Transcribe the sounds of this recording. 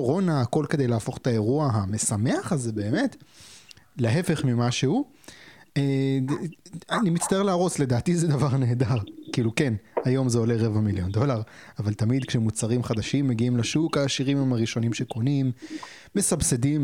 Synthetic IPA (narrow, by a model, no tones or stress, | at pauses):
ʁo̞naːko̞lke̞d̪e̞jlaafo̞χe̥t̪ae̞ʁuaɦame̞same̞aχazebe̞ːme̞t | leɦe̞fe̞χmimaʃehu | e | animit̪t͡st̪aeʁleaʁo̞t͡sle̞d̪aːt̪ized̪avaʁne̞ːd̪aʁkiːlukenajo̞mzeo̞leʁe̞vamiljo̞nd̪o̞laʁavalt̪amid̪kʃemut͡saʁimχad̪aʃimːe̞ɡiimlaʃukaːʃiʁimmaʁiʃo̞nimʃekonimː | e̞sabsed̪im